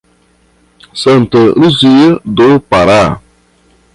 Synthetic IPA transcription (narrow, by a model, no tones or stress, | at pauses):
səntəɾuzijədopaɾa